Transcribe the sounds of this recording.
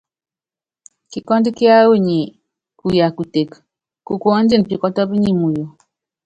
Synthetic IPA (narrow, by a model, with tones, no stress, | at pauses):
ki˨kɔ˦n˦di˦kja˦o˦˨ɲi˨ | ku˨ja˨ku˨te˨k | ku˨ko˦n̩˦d͡ʒi˦n˨pi˨kɔ˦tɔ˦bi˦ɲi˦mu˨jo˨